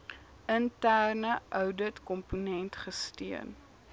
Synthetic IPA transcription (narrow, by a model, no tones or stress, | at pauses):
əntærnəʔœwdətkɔmpunɛntχəstiən